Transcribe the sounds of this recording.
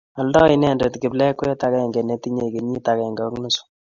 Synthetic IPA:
a˨ldɔ˦i˦nɛ˦˨nde˨tki˨blɛ˦kwɛ˦ta˦kɛ˦˨ŋɡɛ˨ne˨ti˦ɲe˨ke˨ɲi˦ta˨kɛ˨ŋɡɔ˨˦knu˦su̥˦

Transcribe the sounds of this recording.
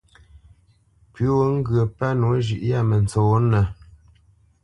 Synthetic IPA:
pɥʉ˦wo˦ŋ̩˦ɡɰə˨pa˦no˨˦ʒʉ̰˨ʔja˦˨mə˨n˨t͡so˨˦nə˨

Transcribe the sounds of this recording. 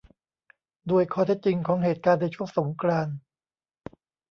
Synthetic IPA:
duː˧˩əjkʰɔː˧˩t̪ʰe˦˥t̪̚t͡ɕi˧ŋkʰɔː˩˦ŋɦeː˨˩t̪̚kaː˧nːa˧jt͡ɕʰu˥˩əŋso˩˦ŋkʰɾaː˧n

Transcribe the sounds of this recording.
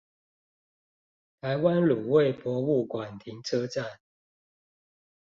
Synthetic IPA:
t̪ʰa˨˦ɪwa˦nlu˨˩we˥˨ɪpwɔ˨˥u˥˨kwa˨˩nt̪ʰi˨˦ŋʈ͡ʂʰɤ˦ʈ͡ʂa˥˨n

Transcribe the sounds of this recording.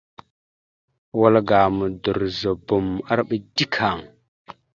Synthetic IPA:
wa˦lɡa˨mə˨du˨ɾzə˨bu˨ma˦ɾɓə˨di˦kʰa˨ŋ

